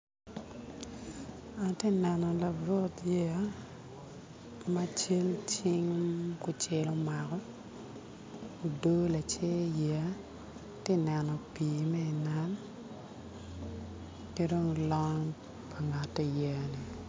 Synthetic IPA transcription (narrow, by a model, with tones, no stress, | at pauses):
a˨te˦nɛ˨nɔ˨la˨ɾɔ˦tje˦ | ma˦t͡ʃe˦lt͡ʃi˦ŋku˦t͡ʃe˦lɔ˦ma˨kɔ˦ | o˨doː˦la˨t͡ʃe˦jɛ˨˦ | te˦nɛ˨nɔ˨piː˨mɛ˦i˨na˦n | ke˦do˦ŋlɔ˦ŋ | pa˨ŋa˨tːe˦jɛ˨ni˨